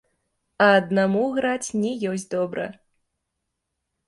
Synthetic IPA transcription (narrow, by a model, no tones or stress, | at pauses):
ɐːd̪namuɣɾat͡sʲnʲɛjɔs̬ʲd̪ɔbɾɐ̰